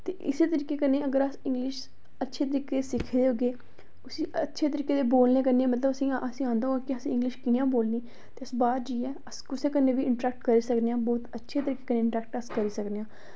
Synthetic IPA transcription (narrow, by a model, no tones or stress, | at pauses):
t̪eːʔɪseːt̪əɾiːkeːkənːeːəɡəɾəsɪ̃ŋɡlɪʃ | ətːʃʰeːt̪əɾiːkeːt̪eːsɪkʰːd̪eːɦoːɡeː | ʊsĩːətːʃʰeːt̪əɾiːkeːd̪eːboːlneːkəɾneːmət̪ləbəsĩːʔəsĩːãːnd̪aːɦoɡaːkɪəsĩːɪ̃ŋɡlɪʃkɪjãːboːlniː | t̪eːəsbaːɾd͡ʒiːɛːəskʊseːkənːeːʋiːʔɪɳʈɾɛːk̚ʈkəɾiːsəkd̪eãːbɔːt̪ətːʃʰeːt̪əɾiːkeːkəneːɪɳʈɾɛːk̚ʈəskəɾiːsəkd̪eːãː